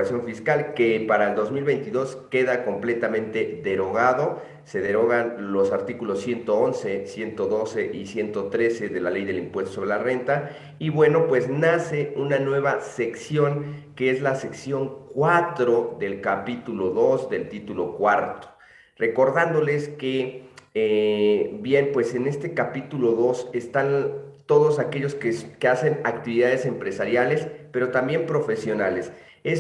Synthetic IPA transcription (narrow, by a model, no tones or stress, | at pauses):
sjoɱfiskalkepaɾaeld̪o̞zmilβe̞jnt̪iðo̞ske̞ðako̞mple̞t̪amẽ̞nt̪e̞ðe̞ɾo̞ɣaðo̞ | se̞ðe̞ɾo̞ɣanlo̞saɾt̪ikulosːje̞nt̪o̞onse̞sje̞nt̪o̞ðo̞se̞ʔisje̞nt̪o̞t̪ɾe̞se̞ðe̞lale̞jðe̞limpwe̞st̪oso̞βɾelare̞nt̪a | iβwe̞no̞pwe̞znase̞unanwe̞β̞ase̞ksjo̞ŋkeezlase̞ksjo̞ŋkwat̪ɾo̞ðe̞lkapit̪ulo̞ðo̞zðe̞lt̪it̪ulo̞̰kwaɾt̪o̥ | re̞ko̞ɾðand̪o̞le̞skee | bje̞npwe̞se̞ne̞st̪e̞kapit̪ulo̞ðo̞se̞st̪ant̪o̞ðo̞sake̞ʝo̞skekease̞nakt̪iβiðað̞e̞se̞mpɾe̞saɾjale̞spe̞ɾo̞t̪ambje̞mpɾo̞fe̞sjo̞nale̞s | es